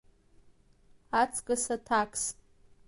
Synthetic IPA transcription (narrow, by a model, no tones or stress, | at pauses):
at͡sʰʼkʼasatʰakʼs